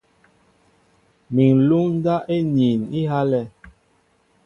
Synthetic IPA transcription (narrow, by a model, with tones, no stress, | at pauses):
mi˨ŋ˨lu˦ŋn˦da˦ʔe˦ɲi˨ni˦ɦa˦lɛ˦